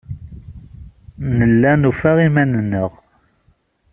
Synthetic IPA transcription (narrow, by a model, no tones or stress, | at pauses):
nəlːænufæʁimænənːəʁ